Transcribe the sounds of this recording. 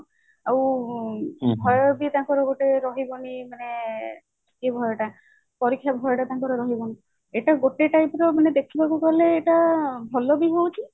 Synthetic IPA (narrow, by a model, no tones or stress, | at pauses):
aw | bʱɔjɔbit̪aŋkɔɾɔɡoʈeɾɔɦibɔnimane | kebʱɔjɔʈa | pɔɾikʰːjabʱɔjɔʈat̪aŋkɔɾɔɾɔɦibɔni | eʈaɡoʈeʈajpɾɔmaned̪ekʰibakukɔleːʈabʱɔlɔbiɦowt͡ʃʰi